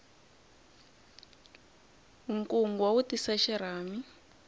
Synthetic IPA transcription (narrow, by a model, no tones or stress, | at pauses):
uŋkuŋɡwawutisaʃɛɾaːmi